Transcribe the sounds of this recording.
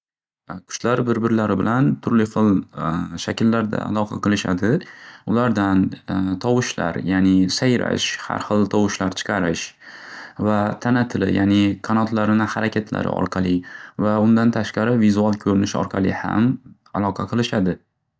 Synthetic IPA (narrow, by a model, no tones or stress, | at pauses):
kʲʰʊ̥t͡ʃlaɾbɪɾbɪɾlaɾɪbɪlant̪ʰʊɾlɪfɨlˠʃakʲʰɪlːaɾd̪a̰a̰lˠɒqʰɑ̰qʰɨlˠɪʃa̰d̪ɪʊlaɾd̪ant̪ʰɒwɨʃla̰ɾjanɪsajɾa̰ʃha̰ɾχɨlˠt̪ʰɒwʊʃlaɾt͡ʃʰɨ̥qʰɑɾɪʃ | vat̪ʰanat̪ʰɪlɪ̰jʔanɪkʰanɒt̪ʰlaɾɪnɪhaɾakʲʰat̪ʰla̰ɾɪ̰ɒ̰ɾqʰɑlˠɪvaʊnd̪ant̪ʰaʃqɑɾɪvizualˠkʲʰɵɾɪnɪʃɒ̰ɾqʰɑlˠɪ̰ha̰m | alˠɒqʰɑqʰɨlˠɪʃad̪ɪ